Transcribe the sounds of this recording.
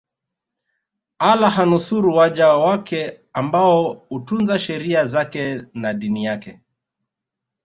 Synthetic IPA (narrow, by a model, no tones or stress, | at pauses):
alaɦanusuɾuwaʄawakɛ | ambaɔutunzaʃɛɾiazakɛnaɗinijakɛ